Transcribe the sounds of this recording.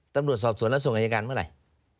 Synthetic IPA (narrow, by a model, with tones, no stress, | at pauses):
t̪a˨˧mlu˨˩ət̪̚sɔː˨˩p̚su˨˧˦ənlːsu˧˩˦ʔa˧˨˩a˧ka˧nmaː˧˥˩la˨˩˦j